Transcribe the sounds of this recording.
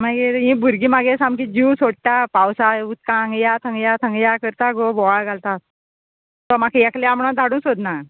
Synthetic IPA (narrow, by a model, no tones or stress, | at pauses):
maɡet̪ĩbʱuɾɡiːmaɡesamkid͡ʑiwsoɽ̚ʈapawsaut̪̚kãŋɡjat̪ʰə̃ŋɡjat̪ʰə̃ŋɡjakəɾt̪aɡobɔaɭɡʱalt̪at̪̚ | t̪ɔmakʰejɛkleamɳãd̪ʱaɽũːnsod̪na